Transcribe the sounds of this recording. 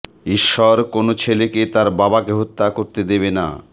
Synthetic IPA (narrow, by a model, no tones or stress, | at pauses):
iʃːɔɾkonot͡ɕʰeleket̪aɾbabakeɦot̪ːakoɾt̪ed̪eβena̰